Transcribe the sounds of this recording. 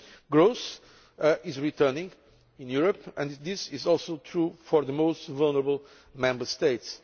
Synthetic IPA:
ɡɹoʊs | ɪzɹitʰɜ˞nɪ̃ŋ | ɪ̃njuɹəpɨ̃nðɪsɪzɔlˠsoʊtʰɹufɔɹðəmoʊstvʌlˠnəɹəbəl̩ˠ | mɛ̃mbə˞st̪eɪts

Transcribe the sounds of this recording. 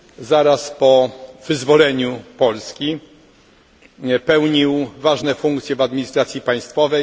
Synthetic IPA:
zaɾaspɔvɘzvɔlɛɲupɔlskʲi | pɛwɲiwvaʐnɛfuŋkt̪sʲjɛvad̪mʲiɲist̪ɾat̪sʲjipaj̃st̪fɔvɛj

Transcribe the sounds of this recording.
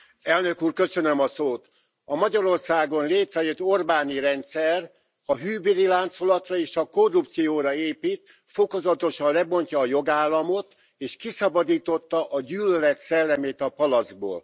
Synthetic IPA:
ɛlnø̞kuːrkø̞sønømɒsoːt̪ | ɒmɒɟɒɾo̞rsaːɡo̞nleːt̪rɛjøt̪ːo̞rbaːniɾɛnt̪sɛr | ɒɦyːbeɾilaːnt̪so̞lɒt̪rɒeːʃɒko̞rːupt̪sijoːɾɒeːpiːt̪ | fo̞ko̞zɒt̪o̞ʃɒnlɛbo̞ɲcɒːjo̞ɡaːlːɒmo̞t̪ | eːʃkisɒbɒd̪iːt̪o̞t̪ːɒʔɒɟyːlølɛt̪sɛlːɛmeːt̪ɒpɒlɒzɡ̚bo̰ːl

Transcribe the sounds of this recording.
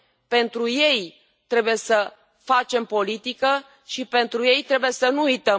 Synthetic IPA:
pe̞nt̪ɾuje̞j | t̪ɾe̞buje̞sə | fat͡ʃe̞mpo̞lit̪ikə | ʃipe̞nt̪ɾuje̞jt̪ɾe̞buje̞sənuujt̪ə

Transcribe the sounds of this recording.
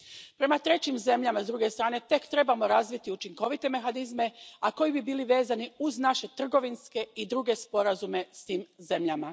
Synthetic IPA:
pɾe̞mat̪ɾe̞t͡ɕimze̞mʎamazd̪ɾuɡe̞st̪ɾaːne̞t̪e̞kt̪ɾe̞bamo̞ɾazʋit̪iut͡ʃiŋko̞ʋit̪e̞me̞xanizme̞ako̞jibibiːliʋe̞ːzaniuznaʃe̞t̪r̩ɡo̞ʋinske̞id̪ɾuɡe̞spo̞ɾazume̞st̪iːmze̞mʎama

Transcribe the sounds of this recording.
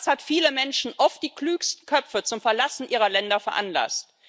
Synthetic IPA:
shatfiːləmɛnʃn̩ʔɔft̚d̥iːkl̥yːkstn̩kʰœp͡fət͡sʊmfɛɐlasn̩ʔiːʁ̞ɐlɛndɐfɛɐʔanla̰st

